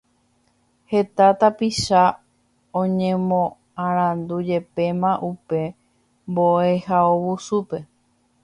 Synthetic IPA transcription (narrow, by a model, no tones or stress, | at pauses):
he̞t̪at̪apiʃa | õɲẽmõ | ãɾ̃ãnd̪ud͡ʒe̞pe̞mãʔupe̞ | mboehaowusupe̞